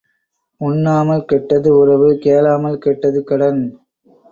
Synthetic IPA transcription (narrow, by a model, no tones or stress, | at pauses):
ʊɳːaːmɐlkɛʈːɐðɯʊrɐʋɯkeːlaːmɐlkɛʈːɐðɯkɐɽɐn